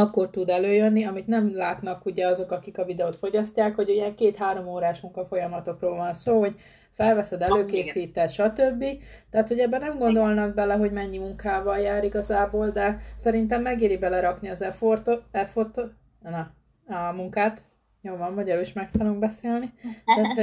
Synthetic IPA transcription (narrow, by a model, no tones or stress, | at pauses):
ɒkːo̞rt̪ud̪ɛløːjønːiɒmit̪nɛmlaːt̪nɒkuɟɛɒzo̞kɒkikɒvid̪ɛoːt̪fo̞ɟɒscaːkho̞ɟyjɛŋkeːt̪haːɾo̞moːɾaːʃmuŋkɒfo̞jɒmɒt̪o̞kroːlvɒnsoːɦo̞ɟ | fɛlvɛsɛd̪ɛløːkeːsiːt̪ɛt̪ʃɒt̪øbːit̪ɛɦːt̪ho̞ɟɛbːɛnɛmɡo̞nd̪o̞lnɒɡ̚bɛlɛɦo̞ɟmɛɲːimuŋkaːvɒljaːɾiɡɒzaːboːld̪ɛsɛɾint̪ɛmːɛɡeːɾibɛlɛɾɒkniɒzɛfort̪oɛfort̪o | nɒ | ɒmuŋkaːt̪ | joːvɒmːɒɟɒɾuːliʃmɛk̚t̪ud̪oŋbɛseːlniæːt̪ho